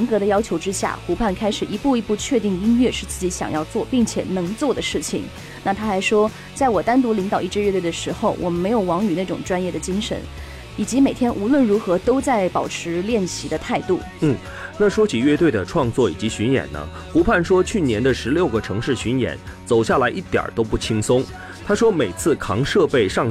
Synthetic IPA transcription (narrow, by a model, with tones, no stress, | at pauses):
ŋkɤ˧˥ɾə˧jɑ˥ʊt͡ɕʰjo˧˥ʊʈ͡ʂɻ̩˥ɕja̰˥˩xu˧˥pʰa˥˩nkʰa˥ɪʂɻ̩˨˩i˧˥pu˥˩i˧˥pu˥˧t͡ɕʰɥɛ˥˧t̪i˥˩ŋi˥nɥɛ˥˧ʂɻ̩˥˧t͡sɹ̩˥˩t͡ɕi˧˥ɕjɑ̰˨˩ŋjɑ˥˧ʊt͡swɔ˥˩pi˥˩ŋt͡ɕʰjɛ̰˨˩nɤ˧˥ŋt͡swɔ˥˩d̪ə˩ʂɻ̩˥˩t͡ɕʰḭ˨˩ŋ | na˥˩t̪ʰa˥xa˧˥ɪʂwɔ˥ | t͡sa˥˩ɪwɔ˨˩t̪a˥nt̪̬u˧˥li˧˥ŋt̪ɑ˨˩ʊi˥˩ʈ͡ʂɻ̩˥ɥɛ˥˧t̪we˥˩d̪ə˩ʂɻ̩˧˥xo˥˧ʊwʔɔ̰˨˩mə˦nme˧˥ɪjo˨˩ʊwɑ˧˥ŋy˨˩na˥˩ʈ͡ʂʊ̰˨˩ŋʈ͡ʂwa˥njɛ˥˩d̪ə˩t͡ɕi˥ŋʂə̰˧˥n | i˨˩t͡ɕi˧˥me˨˩ɪt̪ʰjɛ˥nʔu˧˥lwə˥˩nɻu˧˥xɤ˧˥t̪o˥ʊt͡sa˥˩ɪpɑ˨˩ʊʈ͡ʂʰɻ̩˧˥ljɛ˥˩nɕi˧˥d̪ə˧t̪ʰa˥˧ɪt̪u˥˩ | n̩˥˩ | na˥˩ʂwɔ˥t͡ɕʰi˨˩ɥɛ˥˧t̪we˥˩ɪd̪ə˩ʈ͡ʂʰwɑ˥˧ŋt͡swɔ˥˩i˨˩t͡ɕi˧˥ɕy˧˥njɛ̰˨˩nnə̰˦ | pu˧˥pʰa˥˩nʂwɔ˥t͡ɕʰy˥˩njɛ˧˥nd̪ə˧ʂɻ̩˧˥ljo˥˩ʊɡə˩ʈ͡ʂʰɤ˧˥ŋʂɻ̩˥˩ɕy˧˥njɛ̰˨˩˦nt͡so˨˩ʊɕja˥˩la˧˥ɪʔi˥˩t̪jɑ̰˨˩t̪o˥ʊpu˥˩t͡ɕʰi˥ŋsʊ˥ŋ | t̪ʰa˥ʂwɔ˥me˨˩ɪt͡sʰɹ̩˥˩kʰɑ˧˥ŋʂɤ˥˧pe˥˧ɪʂɑ˥˩ŋ